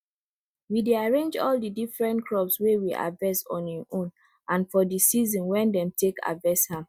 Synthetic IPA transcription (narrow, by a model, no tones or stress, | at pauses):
wideaɹẽnd͡ʒɔ̰ldidifɹɛ̃ntkʰɹɔpswewiʔa̰dvɛsɔ̰̃niʔõn | ʔãnfɔdisizɔ̃nwɛ̃ndɛ̃mtʰeka̰dvɛsha